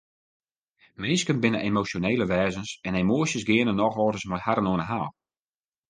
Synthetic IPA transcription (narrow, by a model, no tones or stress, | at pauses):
mɪːskənbɪnəʔemosjoneːləʋɛːzənsɛnemoəsjəsɡɪənənɔxɔːdəsmɛjhaɾənoənəɦaːlˠ